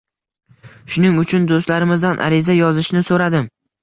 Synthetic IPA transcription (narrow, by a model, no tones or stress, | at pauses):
ʃʊnɪŋʊt͡ʃʰʊnd̪ost̪laɾɪmɪzd̪anʔa̰ɾɪzajɒzɪʃnɪsoɾad̪ɪm